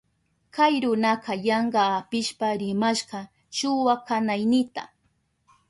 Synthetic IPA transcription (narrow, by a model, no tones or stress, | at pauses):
kajɾʊnɑqɑjɑɴɢɑːpɪʃpaɾɪmaʃɢɑ | ʃʊwakanajnɪt̪a̰